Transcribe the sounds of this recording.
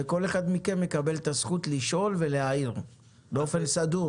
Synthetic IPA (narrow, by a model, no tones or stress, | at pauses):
eko̞le̞χad̪mike̞nje̞kabe̞lt̪asχut̪liʃʔo̞lve̞lehaiʁ | beo̞fe̞nsadu